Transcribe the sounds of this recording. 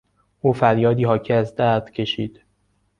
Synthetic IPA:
ʔuːfæɾjɒːd̪iːɦɒːcʰiæzd̪æɾd̪̥cʰe̞ʃiːd̪̥

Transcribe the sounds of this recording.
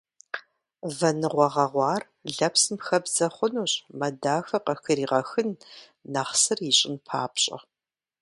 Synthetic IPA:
vɐnɨʁʷɔʁɐʁʷɑːr | ɮɐpsɨmxɐbz̥ɐχʷʊnuːɕʼmɐdaːxɐqɐxɨɾiːʁɐxɨnː | aːχsɨriɕʼɪnpʰa̰ːpɕʼɐ̰

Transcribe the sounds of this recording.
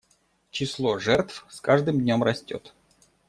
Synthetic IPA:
t͡ɕɪslˠoʐɛrt̪fskaʐd̪ɨmd̪ʲnʲomrɐsʲtʲo̰t̪

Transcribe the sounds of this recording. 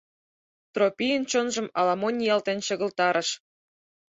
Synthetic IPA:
t̪ropʲijənt͡ɕonʒɤ̆mɑ̰lɑmonʲijɑlt̪enɕɤ̆ɣə̆lt̪ɑɾə̆ʃ

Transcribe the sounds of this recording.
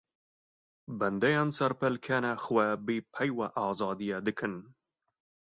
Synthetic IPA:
bɛnd̪ɛjɑːnsɛɾpɛlkʰɛnɛxwɛbeːpʰɛjwɛʔɑːzɑːd̪ijɛd̪ɨkʰɨn

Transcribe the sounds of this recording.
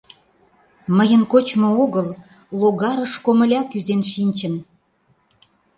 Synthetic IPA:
məjənkot͡ɕmooɣəl | loɣɑɾəʃkomə̆lʲɑkyzenʃinʲt͡ɕən

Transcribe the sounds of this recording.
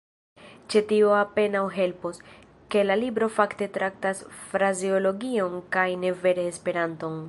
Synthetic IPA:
t͡ʃetioape̞nawɦe̞lpos | ke̞lalibɾo̞fakte̞tɾak̚tasfɾazio̞lo̞ɡio̞ŋkajne̞ve̞ɾeːspe̞ɾanto̞ŋ

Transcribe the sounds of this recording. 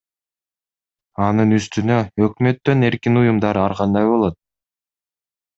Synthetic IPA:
ɑnɯnyst̪ynø̞økmø̞t̪ːø̞ne̞ɾkinujumd̪ɑɾɑɾqɑnd̪ɑjbo̞lˠo̞t̪̚

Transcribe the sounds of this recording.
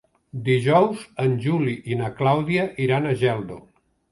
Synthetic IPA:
d̪iʒɔwzənʲʒuliʔinəklawðiəʔiɾanəʒɛlˠd̪o

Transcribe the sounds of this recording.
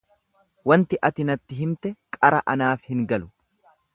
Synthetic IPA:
wɐnt̪ɪʔɐt̪ɪnɐt̪ːɪɦɪmt̪ɛkʼɐɾɐʔɐnaːfhɪŋɡɐlʊ

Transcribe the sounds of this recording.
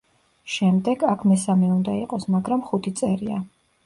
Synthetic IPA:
ʃɛmd̪ɛɡakʰmɛsamɛund̪aiqʼɔsmaɡɾamχut̪ʰit̪sʼɛɾia̰

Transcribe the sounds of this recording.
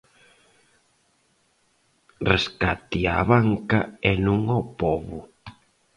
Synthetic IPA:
reskat̪ia̰βaŋkaɛnũŋɔpɔβu

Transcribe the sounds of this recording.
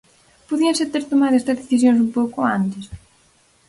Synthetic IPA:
poðiɐset̪eɾt̪omaðoɛst̪ɐzðeθisjõnsumpowkoant̪es

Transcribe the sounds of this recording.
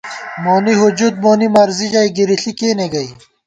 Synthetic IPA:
moːniɦud͡ʑud̪̚moːnimɐɾzid͡ʑɐiɡiɾiɬikeːneɡɐi

